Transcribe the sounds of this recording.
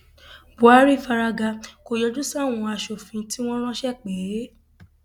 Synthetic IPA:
bu˨a˨˦ɾi˦˨fa˧ɾa˧ɡa˧ko˧jɔ˧d͡ʒu˦sa˦˨w̃ɔ̃˧a˧ʃo˨fĩ˨˦ti˦w̃ɔ̃˦ɾ̃ɔ̃˦ʃɛ˦˨k͡pe˨˦

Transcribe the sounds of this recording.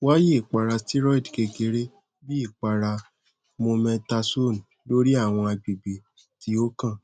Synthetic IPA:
wa˦je˦˨i˨k͡pa˨ɾa˧sti˦ɾɔ˦i˨dke˧ɡe˧˦ɾe˦ | bi˦i˦˨k͡pa˨ɾa˧ | mõ˧mɛ̃˧ta˧so˦˨n˨ | lo˦ɾi˦a˦˨w̃ɔ̃˧a˧ɡ͡bi˨bi˨ | ti˧˦o˦kã˦˨

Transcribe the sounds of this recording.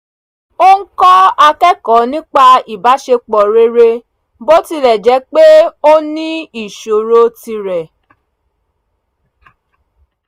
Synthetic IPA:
o˦ŋ̩˦kɔ˦a˧kɛ˦kɔ˨˦nĩ˦k͡pa˧i˨ba˨˦ʃe˧k͡pɔ˨ɾe˦ɾe˧ | bo˦ti˧lɛ˨d͡ʒɛ˨˦k͡pe˦o˦nĩ˦i˨ʃo˨ɾo˦ti˧ɾɛ˨

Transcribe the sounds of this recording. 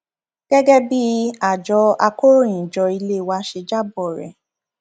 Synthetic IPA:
ɡ̥ɛ˦ɡɛ˦bi˦a˨d͡ʒɔ˧˦a˧ko˦ɾĩ˨d͡ʒɔ˧i˧le˦˨wa˦ʃe˧d͡ʒa˦˨bɔ˨ɾɛ̰˨

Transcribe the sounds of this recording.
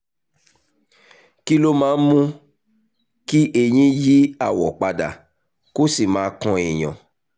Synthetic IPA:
ki˦lo˦mãː˨˦mũ˦ | ki˦ʔe˧˨j̃ĩ˦ji˦a˦˨wɔ˨k͡pa˧da̰˨ | ko˦si˦˨mãː˨˦kɔ̃˧e˨j̃ɔ̰̃˨

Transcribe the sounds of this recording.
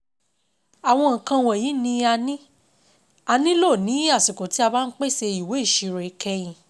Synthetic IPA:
a˨w̃ɔ̃˧ŋ̩˨kã˧w̃ɔ̃˧˨ji˨˦nĩ˧a˧nĩ˦ | a˧nĩ˦lo˦˨nĩ˨˦a˦˨si˨ko˨ti˦a˧baː˦˧n̩˦k͡pe˦˨se˧i˨we˨˦˨ʃi˧ɾe˨˦kʰɛ˧jĩ˨

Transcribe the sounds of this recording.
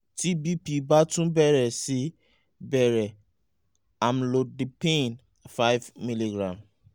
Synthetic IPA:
tʰi˦bi˦pi˨ba˦tũ˦bɛ˦ɾɛ˨si˦ | bɛ˨ɾɛ˨ | a˨mlo˨di˨pẽ˦n | fa˦ɪ˦vmi˦li˨ɡɹã˨m

